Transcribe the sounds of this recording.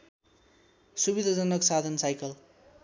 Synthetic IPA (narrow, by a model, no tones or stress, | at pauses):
subid̪ʱad͡zʌnʌksad̪ʱʌnsajkʌl